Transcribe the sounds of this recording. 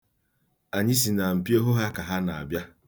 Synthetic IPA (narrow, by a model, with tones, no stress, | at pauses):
a˨ɲi˦s̬i˨na˨m̩˨pi˦o˦ɦo˦ɦa˦ka˨ɦa˦na˨a̰˨bja˦